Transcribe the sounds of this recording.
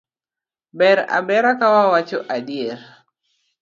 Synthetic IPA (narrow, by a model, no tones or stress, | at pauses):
bɛɾa̰bɛɾakawawat͡ʃoʔadieɾ